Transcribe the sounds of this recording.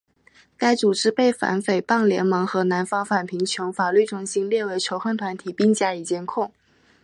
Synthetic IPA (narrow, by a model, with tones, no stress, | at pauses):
ka˥ɪt͡su˨˩ʈ͡ʂɻ̩˥pe˥˩ɪfa̰˧˥nfe˨˩ɪpɑ˥˩ŋljɛ̰˧˥nmɤ˧˥ŋxɤ˧˥na˧˥nfɑ˥ŋfa˨˩npʰi˧˥ŋt͡ɕʰjo˧˥ʊfa˨˩ly˥˩ʈ͡ʂʊ˧˥˩ŋɕi˥ŋljɛ˥˩we˧˥ɪt͡ɕʰjo˧˥ʊxə˥˩nt̪ʰwa˧˥nt̪ʰi˨˩pi˥˧ŋt͡ɕja˥˩i˨˩t͡ɕjɛ˥nkʰʊ˥˩ŋ